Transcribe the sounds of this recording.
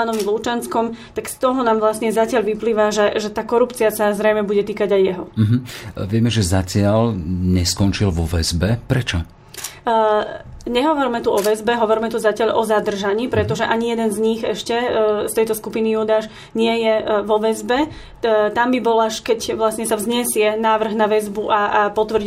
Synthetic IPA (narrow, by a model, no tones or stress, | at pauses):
anɔʋiluːt͡ʃanskɔmt̪akst̪ɔɦɔnaːmʋlasɲɛzacɪaʎʋipliːʋaʒɛʒɛt̪aːkɔɾupt͡siasazɾɛjmɛbuɟɛt̪iːkaɟajːɛɦɔm̩ɦ̩ʋɪɛmɛʒɛzacɪalɲɛskɔnt͡ʃilʋɔʋɛ̰zbɛpɾɛt͡ʃɔ | ɲɛɦɔʋɔɾimɛt̪uɔʋɛzbɛɦɔʋɔɾmɛt̪uzacɪaʎʔɔzad̪r̩ʒaɲiːpɾɛt̪ɔʒɛʔaɲijɛd̪ɛnzɲixɛʃcɛst̪ɛjt̪ɔskupinijuːd̪aːʃ | ɲɪɛjɛʋɔʋɛzbɛ | t̪ambibɔlaʃkɛcʋlasɲɛsavzɲɛsɪɛnaːʋr̩ɣnaʋɛzbuʔaapɔt̪ʋr